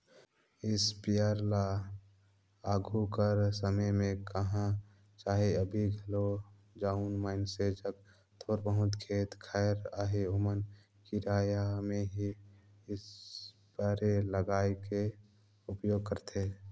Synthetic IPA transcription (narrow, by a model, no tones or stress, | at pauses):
ɪspijaɾla | aːɡʱukəɾsəməjmẽkəɦã | t͡ʃaːɦeəbʱiɡʱəlo | d͡ʒaunmaːɪnsed͡ʒək̚ | t̪ʰoːɾbəɦʊt̪kʰeːt̪kʰɛːɾaːɦeomən | kɪɾaːjamẽɦi | ɪs | baɾeləɡaːjke | ʊpjoːɡ̚kəɾt̪ʰe